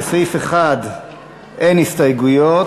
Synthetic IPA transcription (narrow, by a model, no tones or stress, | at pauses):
sifeχad̪ | ʔenhistajɡujo